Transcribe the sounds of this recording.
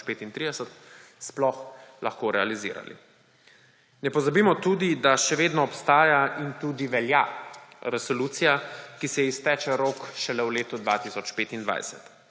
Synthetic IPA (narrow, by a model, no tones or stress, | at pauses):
peːt̪int̪ɾiːd̪ɛsət̪splɔxlaxkoːɾɛalizḭːɾa̰lḭ | nɛpɔzabiːmɔt̪uːd̪id̪aʃɛʋeːd̪nɔːpst̪aːjaint̪uːd̪iʋɛljaɾɛsɔluːt̪sijakisɛist̪ɛːt͡ʃɛɾoːkʃɛlɛwleːt̪ud̪ʋaːt̪isɔt͡ʃpeːt̪ind̪ʋa̰jsɛ̰t̪